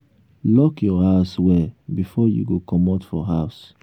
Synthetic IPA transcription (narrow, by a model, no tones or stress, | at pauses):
lɔkjɔhaʊswɛbifɔjṵɡokɔmɔtfɔɦaʊs